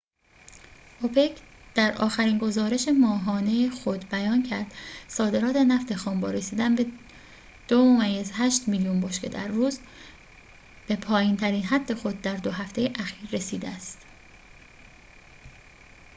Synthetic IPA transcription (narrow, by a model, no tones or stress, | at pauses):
ʔopʰecʰd̪̥æɾʔɒ̰ːxæɾiːnɡo̞zɒːɾe̞ʃemɒːɦɒːnejexo̞d̪bæjɒːncʰæɾd̪̥sɒːd̪e̞ɾɒːt̪ʰe̞næft̪e̞xɒːmbɒːɾe̞siːd̪ænbe | d̪̥oomæjezɦæʃt̪miːljunboʃce̞̰d̪æ̰ɾːuːz | b̥e̞pʰɒːjint̪ʰæɾiːnɦæd̪̥ːe̞xo̞d̪̚ːæɾd̪o̞ɦæft̪ʰe̞jeʔæxiːɾːe̞siːd̪eæst̪